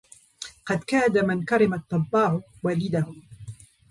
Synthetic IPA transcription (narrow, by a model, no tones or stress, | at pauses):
qɑd̪kaːd̪amɪnkɑɾɪmat̪ˤːɑbːɑːʕʊwaːlɪd̪ahʊ